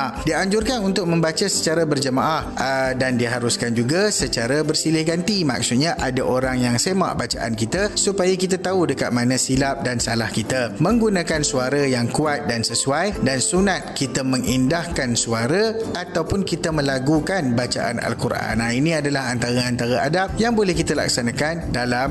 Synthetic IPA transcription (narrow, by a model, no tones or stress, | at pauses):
adiaɲd͡ʒʊrkanunt̪ʊk̚mə̃mbat͡ʃasət͡ʃaɾabərd͡ʒəmaʔahdandiɦaɾuskand͡ʒuɡasət͡ʃaɾabərsilɪhɡant̪ima̰k̚sut̪̚ɲaʔadaʔoɾaŋjaŋsema̰ʔbat͡ʃa̰ʔa̰nkit̪asupajakit̪at̪audəkat̪̚manãsilap̚dansalahkit̪amə̃ŋɡunãkansuaɾajaŋkuat̪̚dansəsuajdansunat̪̚kit̪əmə̃ŋindahkansuaɾaat̪awpʊnkit̪əmə̃laɡukanbat͡ʃa̰ʔa̰na̰lkuɾʔaa̰nainĩadalaɦant̪aɾaant̪aɾaʔa̰dap̚jaŋbolɛhkit̪əla̰ksanãkandalam